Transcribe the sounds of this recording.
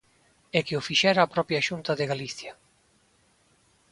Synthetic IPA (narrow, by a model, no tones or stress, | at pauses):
ɛkeofiʃɛɾaːpɾɔpjaʃunt̪ɐðɪɣaliθjɐ